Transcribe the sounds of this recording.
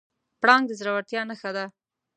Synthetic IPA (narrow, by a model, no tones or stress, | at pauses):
pɽɑŋɡd̪əzɾawaɾt̪jɑnaxad̪a